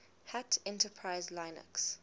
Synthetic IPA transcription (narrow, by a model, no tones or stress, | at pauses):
hatʰɛ̃ntəpʰɹaɪzlaɪnə̰ks